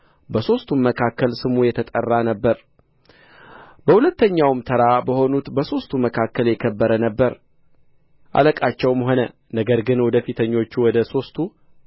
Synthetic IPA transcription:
bəso̞st̪ʰumməkʰakːəlsɨmujɛt̪ʰət̪ʼərːanəbːəɾ | bəhulət̪ːəɲːawmt̪ʰəɾabəho̞nut̪bəso̞st̪ʰuməkʰakːəljɛkʰəbːəɾənəbːəɾ | ʔa̰ləkʼat͡ʃːɛwmɦo̞nə | nəɡəɾɡɨnwɔd̪əfit̪ʰəɲːo̞t͡ʃːuwɔd̪əso̞st̪ʰu

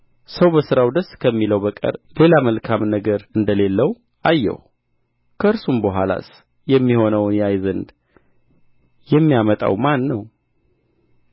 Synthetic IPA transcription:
səwbəsɨɾawd̪əskʰəmːiləwbəkʼə̰ɾle̞laməlkʰamnəɡəɾɨnd̪əlelːəw | ʔajːɛ̰w | kʰəɨɾsumbəɦʷala̰s | jɛmːiho̞nəwnjajzənd̪ | jɛmːijamət̪ʼa̰wmanːəw

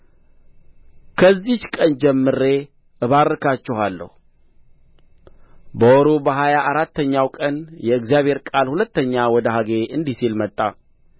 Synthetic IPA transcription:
kʰəzːihkʼənd͡ʒɛmːɨɾe̞ | ʔɨβarːɨkʰat͡ʃːɪhalːə̰hu | bəwɔɾobəɦajaʔaɾat̪ːəɲːawkʼənjɛɨɡzijaβhe̞ɾkʼalhulət̪ːəɲːawɔd̪əɦaɡe̞ʔɨnd̪isilmət̪ʼːa̰

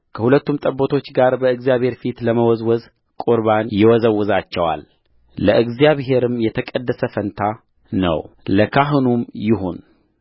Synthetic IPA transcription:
kʰəhulət̪ːumt̪ʼəbːot̪ʰo̞t͡ʃːɡaɾbəɨɡzijaβhe̞ɾfit̪ləməwɔzwɔz | kʼuɾβanjɪwɔzəwːʊzat͡ʃːɛwa̰lː | əʔɨɡzijaβɦe̞ɾɨmjɛt̪ʰəkʼəd̪ːəsəfənt̪ʰa | nə̰w | ləkʰaɦɨnumjɪɦo̞n

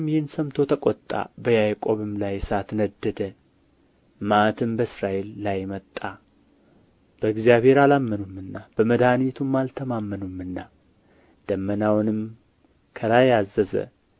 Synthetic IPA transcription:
mjɪhɨnsəmt̪ʰo̞t̪ʰəkʼɔt̪ʼːa̰bəjajkʼo̞βɨmlajsat̪nəd̪ːəd̪ə | mat̪ʰɨmbəsɾaʔelːajmət̪ʼːa | b̥əɨɡzjaβhe̞ɾalamːənumːɨnːab̥əməd̪anit̪ʰumːalt̪ʰəmamːənumːɨnːa | d̪̥əmːənawnɨm | kʰəlajazːəzə̰

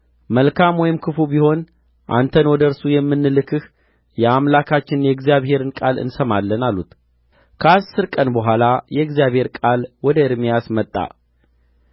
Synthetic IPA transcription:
məlkʰamwɔjɪmkʰɨfubiho̞n | ʔa̰nt̪ʰənwɔd̪əɨɾsujɛmːɨnːɨlɨkʰɨh | jɛamlakʰat͡ʃːɪnjɛɡzijaβhe̞ɾɨnkʼalɨ̰nsəmalːənalːut̪ʰ | kʰəasːɨɾkʼənbəɦʷalajɛɡzijaβhe̞ɾkʼalwɔd̪əɨɾmijasmət̪ʼːa̰

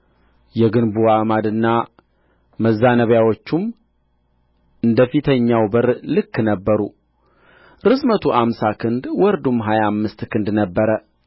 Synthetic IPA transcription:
jɛɡɨnbuamad̪ɨnːa | məzːanəβjawo̞t͡ʃːum | ɨnd̪əfit̪ʰəɲːawbəɾlɨkːnəbːəɾu | ɾɨsmət̪ʰuʔamsakʰɨnd̪wɔɾd̪umːɦajaːmːɨst̪kɨnd̪nəbːəɾə

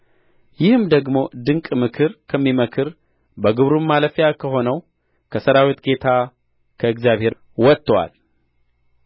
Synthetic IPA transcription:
jɪhɨmd̪əɡmo̞d̪ɨŋkʼmɨkʰɨɾkʰəmːiməkʰɨɾ | bəɡɨβɾumːaləfjakʰəɦo̞nəw | kʰəsəɾawit̪ɡe̞t̪ʰa | kʰəɨɡzjaβhe̞ɾ | wɔt̪ːwa̰l

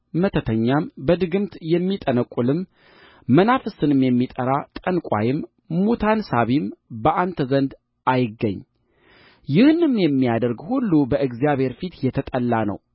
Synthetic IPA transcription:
mət̪ʰət̪ʰəɲːambəd̪ɨɡɨmt̪jɛmːit̪ʼənəkʼːulɨmː | ənafɨsɨnɨmjɛmːit̪ʼəɾat̪ʼənkʷʼa̰jɪmː | ot̪ʰansaβimbəʔant̪ʰəzənd̪ | ʔajɪɡːə̰ɲː | jɪhɨnɨmjɛmːijad̪əɾɡhulːubəʔɨɡzjaβhe̞ɾfit̪jɛt̪ʰət̪ʼəlːanə̰w

